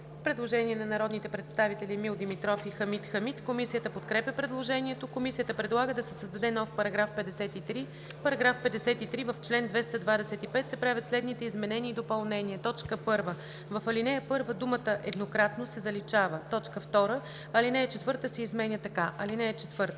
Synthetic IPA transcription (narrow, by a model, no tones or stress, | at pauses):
pɾɛd̪lˠoʒɛniɛnɐnɐɾɔd̪nit̪ɛpɾɛt̪st̪avit̪ɛlimilˠd̪imit̪ɾɔfixɐmit̪xɐmit̪komisijət̪əpot̪kɾɛpʲəpɾɛd̪lˠoʒɛniɛt̪okomisijət̪əpɾɛd̪lˠaɡəd̪ɐsɛsəzd̪ɐd̪ɛnɔfpɐɾɐɡɾafpɛd̪ɛsɛt̪it̪ɾi | pɐɾɐɡɾafpɛd̪ɛsɛt̪it̪ɾivɐft͡ʃlɛnd̪vɛst̪əd̪vad̪ɛsɛt̪ipɛt̪sɛpɾavʲjət̪slɛd̪nit̪ɛizmɛnɛniːd̪opɐlˠnɛniɛt̪ɔt͡ʃkəpɤɾvə | vɐfɐlinɛjɐpɤɾvəd̪umət̪əʔɛd̪nokɾat̪nosɛzɐlit͡ʃavət̪ɔt͡ʃkəft̪ɔɾə | ɐlinɛːt͡ʃɛt̪vɤɾt̪əsɛizmɛnʲət̪ɐkaʔɐlinɛːt͡ʃɛt̪vɤɾt̪ə